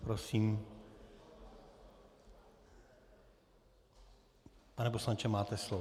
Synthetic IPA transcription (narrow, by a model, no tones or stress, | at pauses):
pɾosiːm | panɛp̬oslaɲt͡ʃɛmaːt̪ɛslo